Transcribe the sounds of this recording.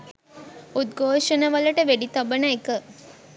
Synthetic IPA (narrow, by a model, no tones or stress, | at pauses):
ut̪ɡʱoːʂənəʋələʈəʋeɖit̪ɔbənəekə